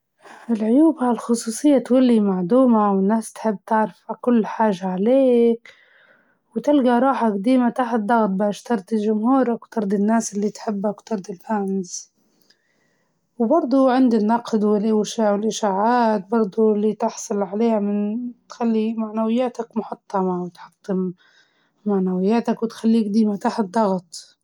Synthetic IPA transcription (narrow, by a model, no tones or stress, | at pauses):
ʔɪlʕʊjuːbhalxʊsˤuːsˤɨjːat̪walːimaʕd̪uːmawɪnːaːst̪ħɪbːt̪ɪʕɾɪfakʊlːħaːʒaʕaleːk | wt̪ɪlɡaɾˤɑːħaɡd̪iːmat̪aħɪd̪ˤːɑɣt̪̚ˤbaːʃt̪ɑɾˤd̪ilʒʊmhuːɾakwt̪ɑɾˤd̪ˤinːaːsʔɪlːit̪ħɪbːakwt̪ɑɾˤd̪ilfanz | wbɑɾˤd̪ˤuʕɪnd̪inːɑqd̪wɪlʔɪwʃaːwɪlʔɪʃaːʕaːt̪̚bɑɾˤd̪ˤulːit̪ɪħsˤʊlʕaleːhamɪnt̪xalːimaʕnawɪjːaːt̪akmʊħɑt̪ˤːɑmɑwɪt̪ħɑ̥t̪ˤːɪmː | aʕnawɪjːaːt̪akwɪt̪xalːiːk̚d̪iːmat̪aːħɪd̪ˤːɑɣt̪ˤ